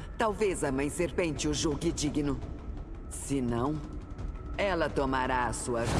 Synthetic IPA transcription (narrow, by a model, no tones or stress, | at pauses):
t̪awvezɐmɐ̃j̃seɾpẽnt͡ʃɪʊʒoɡɪd͡ʒiɡinʊ | sɪnɐ̃w̃ | ɛlɐt̪omaɾaɐsuɐvi